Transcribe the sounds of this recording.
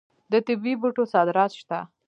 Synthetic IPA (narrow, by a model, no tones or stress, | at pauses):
d̪ət̪ɪbibuʈosɑd̪ɾɑt̪ʃt̪a